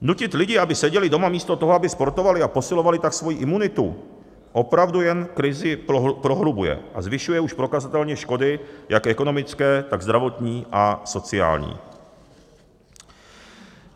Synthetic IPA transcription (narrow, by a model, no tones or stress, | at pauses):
nucɪt̪lɪɟɪabɪsɛɟɛlɪdo̞mamiːst̪o̞t̪o̞ɦoabɪspo̞ɾt̪o̞valɪapo̞sɪlo̞valɪt̪aksvo̞jiʔɪmunɪt̪u | ʔo̞pɾavdujɛnkɾɪzɪpɾo̞ɦlubujɛ̰ʔazvɪʃujɛuʃpɾo̞kazat̪ɛlɲɛʃko̞dɪjakʔɛko̞no̞mɪt͡skɛːt̪aɡzd̪ɾavo̞t̪ɲiːʔaso̞t͡sɪa̰ːlɲḭː